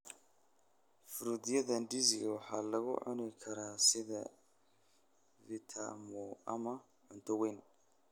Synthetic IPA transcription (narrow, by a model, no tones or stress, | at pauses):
fʊɾʊd̪ɪjɐðɐnɖizɪɣwɑħɑːlɐɣʊ̰ʕʊ̰nɪkʰɐɾaːsɪðɐ | vɪt̪ʰa̰mɔɐmɐ | ʕʊnt̪ʰɔwɛjn